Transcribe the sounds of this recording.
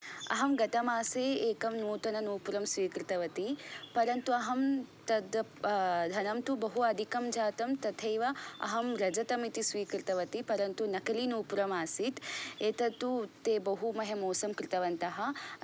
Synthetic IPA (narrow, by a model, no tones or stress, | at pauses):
ɐ̰ɦɐmɡɐt̪ɐmaːseːeːkɐmnuːt̪ɐnɐnuːpuɾɐmsʋiːkɾit̪ɐʋɐt̪ipɐɾɐnt̪uɐɦɐmt̪ɐd̪ | d̪ʱɐnɐmt̪ubɐɦuɐd̪ʱikɐmd͡ʒaːt̪ɐmt̪ɐt̪ʰɐjʋɐɐ̰ɦɐmɾɐd͡ʒɐt̪ɐmit̪isʋiːkɾit̪ɐʋɐt̪ipɐɾɐnt̪unɐkɐliːnuːpuɾɐmaːsit̪eːt̪ɐt̪ut̪eːbɐɦumɐɦemoːsɐmkɾɪt̪ɐʋɐnt̪ɐɦɐ